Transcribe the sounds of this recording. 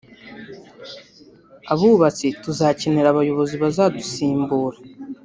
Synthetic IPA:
aβuːβat͡situzaceneɾaβajo̞βo̞ziβazaːdusiːmbuːɾa

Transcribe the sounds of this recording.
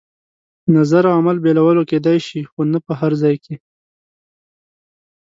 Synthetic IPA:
nazaɾaamalbelawəloked̪ajʃixonapəɦaɾzɑjke

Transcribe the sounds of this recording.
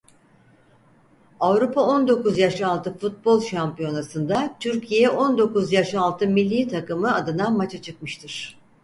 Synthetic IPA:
avɾupʰao̞nd̪o̞kuzjaʃalˠt̪ʰɯfut̪̚bo̞lˠʃampijo̞nasɯnd̪at̪ʰyɾcʰijɛʔo̞nd̪o̞kuzjaʃalˠt̪ʰɯmilʲːiːt̪ʰakɯmɯad̪ɯnamat͡ʃʰat͡ʃʰɯk̚mɯʃt̪ʰɯɾ̥

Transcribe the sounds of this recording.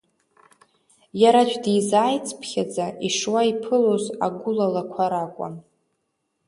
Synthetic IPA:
jaɾat͡ʃʷᶣʼdijzaːjt͡sʰʼpʰχʲad͡zaʔiʂwaipʰɨloza̰ɡʷʊlalakʷʰaɾakʷʼa̰n

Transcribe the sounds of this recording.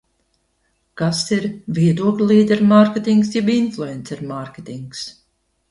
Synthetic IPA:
kasiɾvʲiɛd̪uɔklʲlˠiːd̪ʲɛɾmaɾkʲet̪iŋksjɛbinflˠuɛnt̪siɾmaɾkʲet̪iŋks

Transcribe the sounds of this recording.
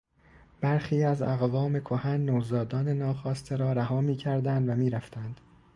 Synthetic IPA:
b̥æɾxiːæzæ̰ɣvɒːme̞kʰohænːoːzɒːd̪ɒːne̞nɒːxɒːst̪ʰeɾɒːɾæɦɒːmiːcʰæɾd̪ænd̪væmiːɾæft̪ænd̪̥

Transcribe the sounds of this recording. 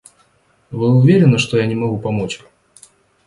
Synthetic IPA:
vɨʊvʲeɾʲɪnəʂt̪ɔjanʲɪmɐɣupɐmɔt͡ɕʲ

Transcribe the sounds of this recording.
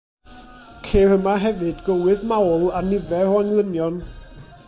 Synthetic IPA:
kʰeːrəmaɦɛvɨdɡəwɨðmawlˠanɪvɛɔaŋlˠənjɔn

